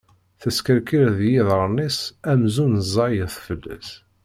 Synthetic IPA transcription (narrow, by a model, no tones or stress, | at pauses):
θəskəɾkiɾðjiðˤəɾˤnisæmzunəzˤːɑjəθfəlːæ̰s